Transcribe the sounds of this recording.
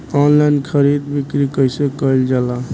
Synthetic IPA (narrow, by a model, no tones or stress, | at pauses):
ɔnlajnkʰəɾid̪bikɾikəjsekəjld͡ʒala